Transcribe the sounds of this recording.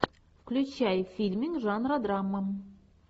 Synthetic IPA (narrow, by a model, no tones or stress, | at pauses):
fklʲʉt͡ɕæjfʲilʲmʲiŋkʐɑnrad̪rɑmːə